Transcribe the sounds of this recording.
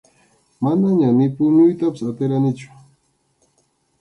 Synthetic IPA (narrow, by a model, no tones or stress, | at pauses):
manaɲanɪpʊɲʊjt̪apḁsat̪ɪɾanɪt͡ʃʊ̥